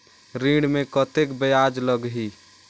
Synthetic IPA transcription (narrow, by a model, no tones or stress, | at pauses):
ɾĩɖmẽkət̪ekbəjad͡ʒləɡɦi